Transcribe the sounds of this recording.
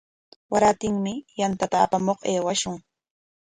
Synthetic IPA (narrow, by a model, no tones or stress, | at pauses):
waɾat̪ɪŋmɪjant̪at̪aːpamoχeːwaʃʊŋ